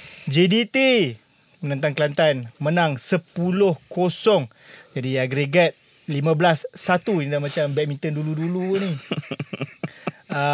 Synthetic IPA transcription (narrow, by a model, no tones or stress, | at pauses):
d͡ʒedit̪i | mənant̪aŋklant̪anmənãŋsəpulʊhkosɔŋ | d͡ʒadiaɡɾeɡat̪̚ | limãblasːat̪uinidahmãt͡ʃambɛk̚mĩnt̪ənduluduluni